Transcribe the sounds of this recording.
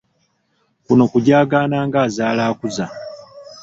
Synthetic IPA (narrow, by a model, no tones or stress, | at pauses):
kuno̞kuɟaːɡaːnaːŋɡaːzaːlaːkuza